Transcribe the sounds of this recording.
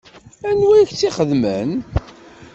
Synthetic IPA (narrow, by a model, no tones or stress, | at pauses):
ænwæjçt͡sːiχəðmən